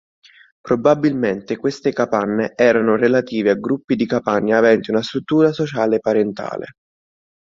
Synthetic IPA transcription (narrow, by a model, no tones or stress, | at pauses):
pɾobabilment̪ekwest̪ekapanːeɛːɾanʊrelat̪iːveaɡɾupːid̪ikapaɲːaːvɛnt̪iunast̪ɾut̪ːuːɾasot͡ʃaːlepaɾent̪a̰ːlḛ